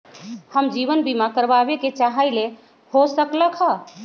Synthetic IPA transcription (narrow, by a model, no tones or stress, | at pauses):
həmd͡ʒiβənbimakəɾbabeket͡ʃaɦəjle | hosəkləkʰɦə